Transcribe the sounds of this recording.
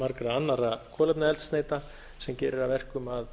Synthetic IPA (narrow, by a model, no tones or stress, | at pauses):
maɾkɾaanːaɾakʰɔːlɛpnaɛlt̪st̪neːjt̪a | sɛmcɪːɾɪɾavɛr̥kʏmað